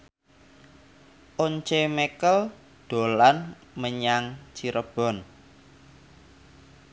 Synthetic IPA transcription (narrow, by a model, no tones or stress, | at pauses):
ʔoɲt͡ʃemɛkəl | ɖ̪̥o̤lan | məɲaŋt͡ʃiɾʔəb̥ɔ̤n